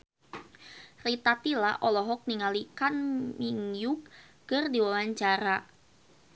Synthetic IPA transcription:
rit̪at̪ila̰ʔɔlɔɦɔk̚niŋalikanmiŋjʊk̚ | kərdiwawaɲt͡ʃaɾa

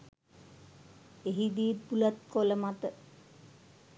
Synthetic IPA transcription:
eɦid̪iːpulat̪̚koləmat̪ə

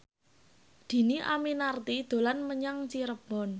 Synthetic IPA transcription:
d̪̥i̤niʔa̰minart̪id̪̥o̤lanməɲaŋt͡ʃiɾəb̥ɔ̤n

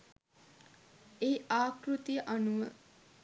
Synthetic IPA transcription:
eɦiaːkrut̪ijəʔɐnuʋə

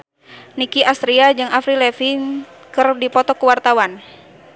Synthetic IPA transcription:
nikiʔast̪ɾiad͡ʒɨŋafɾilɛfin | kɨrdipɔt̪ɔkuwart̪awan

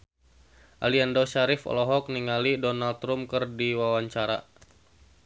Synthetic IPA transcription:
ʔa̰liandoʃaɾɪfɔ̰lɔɦɔk̚niŋalidɔnalt̪ɾumkərdiwawaɲt͡ʃaɾa̰

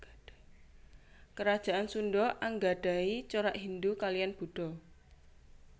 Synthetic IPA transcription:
kəɾad̥ʒ̥a̤ʔansunɖɔʔaŋɡaɖ̥a̤it͡ʃoɾaʔɦind̪ukalijanb̥ṳɖ̥ɔ̤

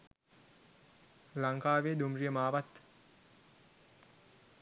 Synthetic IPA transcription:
laŋkaːʋeːd̪umrijəmaːʋat̪

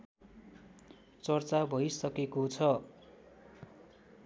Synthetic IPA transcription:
t͡sʌrt͡sabʱʌjsʌkekot͡sʰʌ

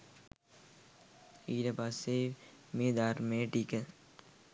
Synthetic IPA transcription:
iːɾɐbasemed̪aːɾmẽʈiːkə

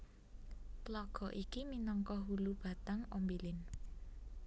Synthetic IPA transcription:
tlɔɡ̥ɔ̤ʔikiminɔŋkɔɦulub̥a̤t̪aŋombilɪn

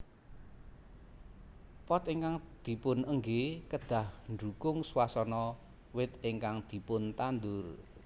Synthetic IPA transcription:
pɔt̪iŋkaŋd̪̥i̤pʊnəŋɡekəɖ̪̥a̤hndukʊŋswasɔnɔ | wɪt̪̚ɪŋkaŋd̪̥i̤pʊnt̪and̪ʊr

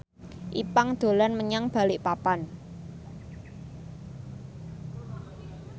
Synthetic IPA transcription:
ʔipaŋd̪̥o̤lanməɲaŋb̥a̤lɪʔpapan

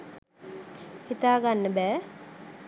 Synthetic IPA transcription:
hit̪aːɡanːəbɛː

